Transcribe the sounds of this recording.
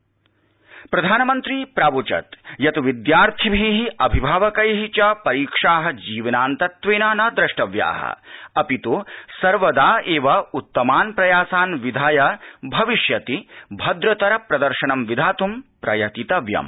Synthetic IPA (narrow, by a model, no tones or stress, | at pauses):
pɾɐd̪ʱaːnɐmɐnt̪ɾiːpɾaːʋut͡ʃɐ̰t̪jɐt̪ʋid̪jaːɾt̪ʰibʱiɦiʔɐbʱibʱaːʋɐkɐjɦit͡ʃɐpɐɾiːkʂaːɦɐ̆d͡ʒiːʋɐnaːnt̪ɐt̪ʋeːnaːnɐd̪ɾɐʂʈɐʋja̰ːɦɐ̰ɐpit̪usɐɾʋɐd̪aːeːʋɐut̪ːɐmaːnpɾɐjaːsaːnʋid̪ʱaːjɐbʱɐʋiʃjɐt̪ibʱɐd̪ɾɐt̪ɐɾɐpɾɐd̪ɐɾʃɐɳɐmʋid̪ʱaːt̪umpɾɐjɐt̪it̪ɐʋjɐ̰m